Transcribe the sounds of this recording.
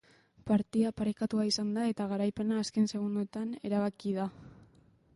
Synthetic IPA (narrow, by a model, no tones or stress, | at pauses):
paɾt̪iapaɾekat̪uaisand̪ae̞t̪aɣaɾajpe̞naːske̞nse̞ɣ̞und̪ut̪ane̞̰ɾaβakiða